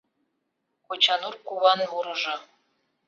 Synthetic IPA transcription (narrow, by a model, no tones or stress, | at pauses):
kot͡ɕɑnurkuβɑnuɾɤ̆ʒɤ̆